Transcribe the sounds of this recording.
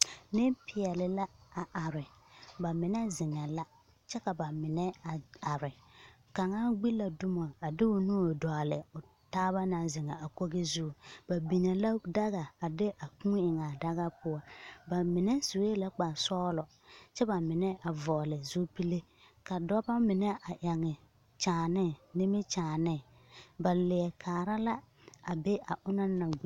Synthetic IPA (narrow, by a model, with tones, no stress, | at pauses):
nɪ˦pʰɪ˨ɛ˨lɪ˨la˦a˨ʔa˨ɾɪ˨ba˨mɪ˨nɛ˦zɪ˨ŋɛ˨la˦ | t͡ʃɛ˦ka˨ba˨mɪ˨nɛ˦a˨a˨ɾɪ˨ | ka˨ŋaː˦ɡ͡bi˦la˨dʊ˦ma˨a˨dɪ˦ʊ˦nu˦o˨dɔ˨a˨lɪ˨ʊ˨ | taː˦βa˦na˨zɪ˨ŋɛ˨a˨ko˦ɣɪ˦zu˦˨b̥a˨bi˨ɲɛ˨la˦da˦ɣa˨a˨dɪ˦ʔa˨kũ˦ɪ˨ŋa˨da˦ɣa˦pʊ˦ɔ˦ba˨mɪ˨nɛ˦so˨we˦la˦k͡pa˨sɔː˦lɔ˨ | t͡ʃɛ˦ba˨mɪ˨nɛ˦ʔa˨vɔː˨lɪ˨zu˦pi˦le˦ | ka˨dɔ˦ba˦mɪ˨nɛ˦ʔa˨ʔa˨ŋɛ˨ | t͡ʃaː˨nɪ˦˨nɪ˦mɪ˦t͡ʃaː˨nɪ˦˨ | ba˨lɪ˨ɛ˨kʰaː˨ɾa˦la˦ | a˨be˦ʔa˨ʔʊ˦na˦na˨ɡ͡bi˦